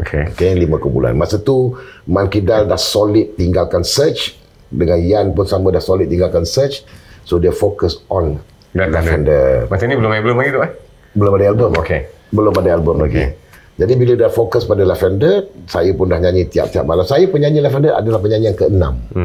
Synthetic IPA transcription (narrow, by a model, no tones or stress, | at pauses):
okʰekelimãkobṵla̰nmasət̪umãnkidadahsolɪt̪ːiŋɡalkansət͡ʃ | dəŋanijanpʊnsamə̃dahsolɪt̪̚ːiŋɡalkansət͡ʃsodəfokəsɔn | laɛndəmat͡ʃanibəlʊmabəlʊmlaɡit̪uah | bəlʊmadaalbəmoke | bəlʊmadaalbəmlaɡḭ | d͡ʒadibiladafokəspadalafɛndəsajəpʊndahɲãɲĩt̪ia̰p̚t̪ia̰p̚malamsajəpəɲãɲilɛfɛndəʔa̰dalahpəɲaɲiaŋkəənã̰m